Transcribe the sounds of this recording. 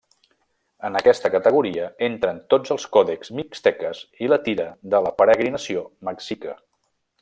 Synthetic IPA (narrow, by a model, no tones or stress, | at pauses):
ənəkɛst̪əkət̪əɣ̞uɾiəent̪ɾənt̪od͡zəlˠskɔðekzmikst̪ɛkəzilət̪iɾəðələpəɾəɣɾinəsioməksikə